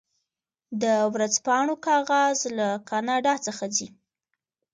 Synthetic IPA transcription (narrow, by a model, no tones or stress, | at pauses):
d̪əwɾad͡zpɑɳokɑɣɑzlakɑnɑɖɑt͡səxazi